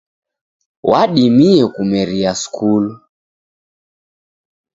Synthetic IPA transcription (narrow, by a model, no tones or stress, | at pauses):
waɗimiɛkumɛɾiaskʰulu